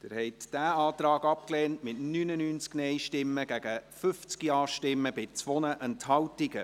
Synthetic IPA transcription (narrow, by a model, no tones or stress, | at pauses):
d̥ɪɾhɛɪtd̥æːɑːt̪ɾɑːɡɑp̚kleːntmɪtnynənyːnt͡sknɛjʃtɪmːəɡ̥æɡ̥əfʏft͡skiɑːʃtɪmːəbɪt͡sʋɔnəʔənthɑwtiɡə